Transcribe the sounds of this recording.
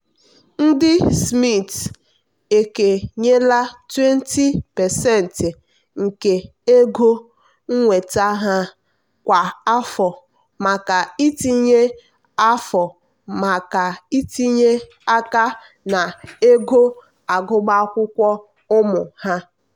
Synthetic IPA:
n̩˦dɪ˦smi˦˨t | e˨ke˨ɲe˦la˦twe˦n˦ti˦pɛ˨sɛ˦˨n̩˨tɪ˨ | ŋ̩˨ke˨ | e˦ɡo˦ | ŋ̩˦ŋʷe˨ta˦ɦa˦ | kʷa˨a˦fɔ˨ | ma˨ka˨i˦ti˦ɲe˦ | a˦fɔ˨ | ma˨ka˨i˦ti˦ɲe˦ | a˦ka˦ | na˨e˦ɡo˦ | a˨ɡʊ˦ɡ͡ba˦kʷʊ˦kʷɔ˦ | ʊ˦mʊ˨ha˦

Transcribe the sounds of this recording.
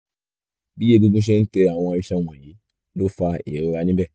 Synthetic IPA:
bi˦e˧˨ɡu˧ɡũ˦ʃ̬ɛ˦n̩˦tɛ˧˨ã˨ɔ̃˧a˧jĩ˦ʃa˦wã˨ji˨˦ | lo˦fa˧ḛ˨ɾe˨˧˦ɾa˧nĩ˦bɛ˦˨

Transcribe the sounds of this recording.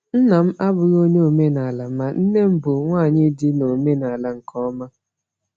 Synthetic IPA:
n̩˦na˨m̩˦ʔa˦bʊ˨ɾo˦ɲe˦o˨me˦na˨la˨ma˨n̩˦ne˦m̩˦bʊ˨ŋʷaː˦˨ɲɪ˦dɪ˦no˨me˦na˨la˨ŋ̩˨kʰɔ˦ma˦

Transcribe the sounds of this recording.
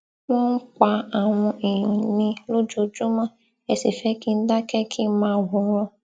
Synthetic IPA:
w̃ɔ̃˦n̩˦k͡pa˧a˨w̃ɔ̃˧ĩ˨nĩ˧lo˦d͡ʒo˧d͡ʒu˦mã˦ | ɛ˧si˨fɛ˨˦ki˦n̩˦da˦kɛ˦kʰi˦mãː˦˧˨ɡũ˨˧˦ɾ̃ɔ̃˧

